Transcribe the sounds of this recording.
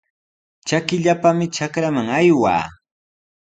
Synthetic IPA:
t͡ʃakɪʎapamɪt͡ʃakɾamaŋajwa̰ː

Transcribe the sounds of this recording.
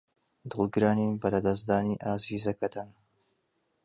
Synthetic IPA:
d̪ɨlˠɡɨɾaːnibɐlɐd̪ɐzd̪aːniʔaːziːzɐkɐt̪ʰan

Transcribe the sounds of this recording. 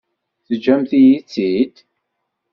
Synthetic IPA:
θəd͡ʒːæmθijit͡sːid̪

